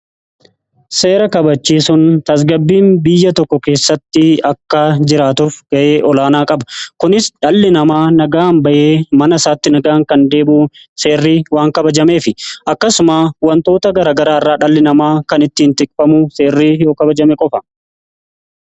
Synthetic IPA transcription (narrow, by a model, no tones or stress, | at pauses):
se̞ːɾɐkɐbɐt͡ʃːiːsʊnt̪ɐs̬ɡɐbːiːnbɪjːɐt̪ɔkːɔke̞ːsːɐt̪ːɪɐkːad͡ʒɪɾaːt̪uːfɡ̥ɐʔe̞ːʔɔlaːnaːkʼɐbɐkʊnɪsᶑɐlːɪnɐmaːnɐɡaːnbɐʔe̞ːmɐnɐsaːt̪ːɪnɐɡaːŋkɐnd̪e̞ːbuː | se̞ːrːiːwaːŋkɐbɐd͡ʒɐme̞ːfɪʔɐkːɐsʊmaːwɐnt̪o̞ːt̪ɐɡɐɾaːɡɐɾaːɪrːaːᶑɐlːɪnɐmaːkɐnɪt̪ːiːnt̪ɪkʼfɐmuse̞ːrːiːjo̞ːkɐbɐd͡ʒɐmɛkʼɔfɐ̥